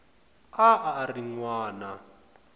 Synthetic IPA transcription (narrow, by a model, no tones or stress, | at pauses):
aariŋwaːna